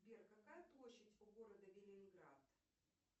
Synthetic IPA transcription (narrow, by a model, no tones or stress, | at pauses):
bʲerkɐkajəplˠoɕːɪtʲʊɡoɾəd̪əvʲɪlʲɪnɡɾat̪